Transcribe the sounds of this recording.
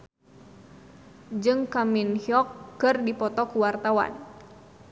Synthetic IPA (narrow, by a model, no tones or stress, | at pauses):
d͡ʒɨŋkaminhiɔkːɨrdipɔt̪ɔkuwart̪awa̰n